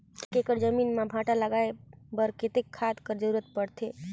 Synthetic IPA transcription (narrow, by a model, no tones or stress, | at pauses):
kekəɾd͡ʒəmiːnmabʱãʈaləɡaebəɾket̪ekʰːad̪kəɾd͡ʒəɾuɾət̪̚pəɽt̪ʰe